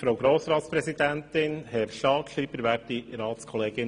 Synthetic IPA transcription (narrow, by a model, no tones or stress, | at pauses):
fɾowɡɾoːsɾɑːt̪spɾɛsid̪æntɪnhɛɾʃɑːkʃiːbəɾʋæːtdiɾɑːt̪skʰɔleːɡ̥ɪn